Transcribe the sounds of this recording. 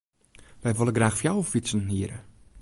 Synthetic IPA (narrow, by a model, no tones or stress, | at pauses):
ʋɛjʋolˠəɡraːxfjawfisənɦiəɾə̰